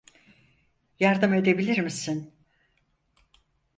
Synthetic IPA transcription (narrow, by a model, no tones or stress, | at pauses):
jaɾd̪ɯme̞d̪e̞bilʲiɾmisin